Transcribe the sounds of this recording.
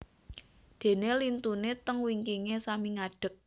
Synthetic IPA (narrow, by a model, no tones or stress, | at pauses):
d̪̥e̤nelint̪unet̪əŋwiŋkiŋesamiŋaɖ̥ə̤k̚